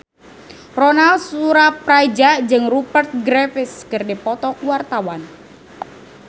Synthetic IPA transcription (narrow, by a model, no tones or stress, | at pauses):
rɔnalsuɾapɾajd͡ʒaʔd͡ʒɨŋrupərt̪̚ɡɾɛfɪskərdipɔt̪ɔkuwart̪awan